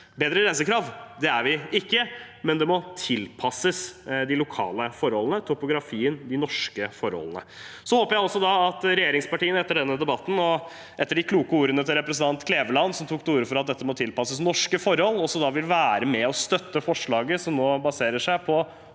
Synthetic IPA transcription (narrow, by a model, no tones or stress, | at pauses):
beːd̪ɾəɪɾɛnsəkɾɑːʋd̪ɛæɾʋɪɪkːəmɛnd̪ɛmɔt̪ʰɪlpʰɑsəsd̪ɪlʊkʰɑ̰ːləfɔɾhɔlənət̪ʰʊpʊɡɾɑfiːənd̪ɪnɔʂkəfɔɾhɔ̰lənə̰ | sɔhoːpəɾjæɪɔlsɔd̪ɑɑt̪ɾɛjeːɾɪŋspɑʈiːənɛt̪ːəɖɛnːəd̪ɛbɑt̪ːn̩ɔ | ʔɛt̪ːəɖɪkʰluːkəuːɾənət̪ʰɪlɾɛpɾɛsn̩t̪ɑnt̪kʰleːʋəlɑnsɔmt̪ʰuːk̚d̪uːɾəfɔɾɑt̪̚d̪ɛt̪ːəmɔt̪ʰɪlpɑsəsnɔʂkəfɔɾhɔlːɔsːɔd̪ɑʋɪlʋæːɾəmɛɔst̪œt̪ːəfɔʂɭɑːɡəsɔmnoːbɑseːɾəʂæɪpʰɔ